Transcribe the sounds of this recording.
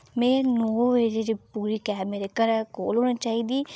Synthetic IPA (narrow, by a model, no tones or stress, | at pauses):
mɛ̃ːnoːʋeːɾeɾiːpuːɾiːkɛːmeɾekəɾɛko̰ːloːɽ̃ːt͡ʃaːiːd̪iː